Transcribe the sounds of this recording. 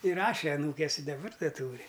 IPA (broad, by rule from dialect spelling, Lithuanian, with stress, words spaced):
ɪˈrɑːʃʲɛ ɐˈnuːkʲeːs ɪ dɐˈbɐr dɐ ˈtuːrʲɪ